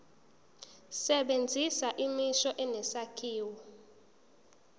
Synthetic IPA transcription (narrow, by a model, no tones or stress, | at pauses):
sɛɓend͡zʱisaʔimiʃɔʔɛnɛsakʰiːwɔ